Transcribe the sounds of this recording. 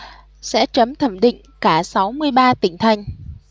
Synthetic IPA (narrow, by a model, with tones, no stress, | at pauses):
sɛ̰˧˥t͡ɕə˨˦mt̪ʰə˧˩mɗḭ˧˨ŋ̟kaː˧˩sa˨˦wmɨ˧əjɓaː˧t̪ï˧˩ŋ̟t̪ʰa˨˧˩jŋ̟